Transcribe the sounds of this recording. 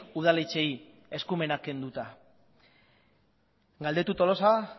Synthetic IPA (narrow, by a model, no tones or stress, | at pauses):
uð̞alet͡ʃe̞i | e̞skume̞nake̞nd̪ut̪a | ɡald̪e̞t̪ut̪o̞lo̞sa